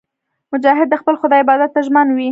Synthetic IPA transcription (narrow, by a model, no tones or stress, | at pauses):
mʊd͡ʒɑɦɪd̪̚ːəxpəlxʊd̪ɑɪbɑd̪at̪ːaʒmanwi